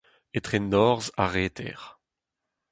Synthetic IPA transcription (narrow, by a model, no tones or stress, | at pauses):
et̪χenɔʁzaʁeːt̪ʰɛ̰ʁ